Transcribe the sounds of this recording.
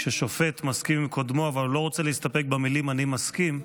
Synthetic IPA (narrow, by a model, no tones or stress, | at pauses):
ʃeʃofe̞t̪maskimkʰod̪mo̞avallo̞ʁot͡seleist̪ape̞k̚bemilimanimaskim